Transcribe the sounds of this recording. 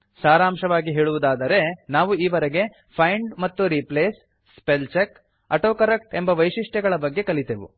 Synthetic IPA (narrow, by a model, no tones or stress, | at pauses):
saːɾaːmʃɐʋaːɡiɦeːɭuʋud̪aːd̪ɐɾe̞naːʋuiːʋɐɾeɡe̞ | pʰɐjɳɖmɐt̪ːuɾipleːsː | pelt͡ʃek | ɐʈoːkɐɾek̚ʈe̞mbɐʋɐjʃiʂʈɛɡɐɭɐbɐɡːe̞kɐɭit̪eːʋṵ